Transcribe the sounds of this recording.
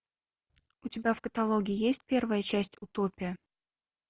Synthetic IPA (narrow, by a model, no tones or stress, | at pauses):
utʲɪbʲævkət̪alˠoɡʲɪjijesʲtʲpʲervəjət͡ɕæsʲtʲut̪opʲɪjə